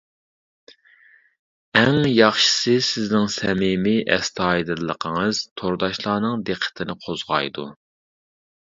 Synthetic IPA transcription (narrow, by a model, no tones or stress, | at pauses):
ɛŋjɑχʃɨ̥sɨsɪznɪŋsɛmɪmɪʔɛ̰st̪ʰɑːid̪ɨlˠːəqʰəŋɨz̥t̪ʰoɾd̪ɑʃlˠɑːnɨŋd̪eqʰːə̥t̪ʰɪnɪqʰozʁɑ̰jd̪u